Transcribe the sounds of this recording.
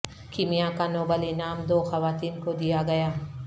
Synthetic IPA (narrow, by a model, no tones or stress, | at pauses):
kɪmijakanoːbəlinaːmd̪oːxɐʋaːt̪iːnkod̪ijaɡɐjaː